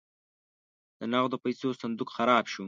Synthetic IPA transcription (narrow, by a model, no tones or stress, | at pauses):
d̪̥ənaɣd̪əpajsosand̪ukxaɾɑːbʃu